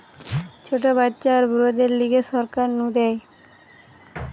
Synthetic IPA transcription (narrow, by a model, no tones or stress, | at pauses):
t͡ɕʰoʈ̬obatːɕaɾbuɾod̪eɾliɡeʃɔɾkaɾnũd̪ɛj